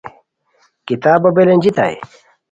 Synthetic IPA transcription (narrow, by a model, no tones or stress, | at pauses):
kit̪aːbɐbelend͡ʑit̪a̰j̰